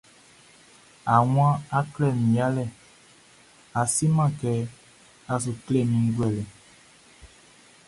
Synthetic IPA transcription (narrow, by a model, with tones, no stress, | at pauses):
a˨ww̃ã˦a˦klɛ˦˨mĩ˨a˦lɛ˦˨ | a˨si˦mã˦˨kɛ˨˦ | a˨s̬u˨kle˦˨mĩ˨˦ɾwɛ˦˨lɛ˨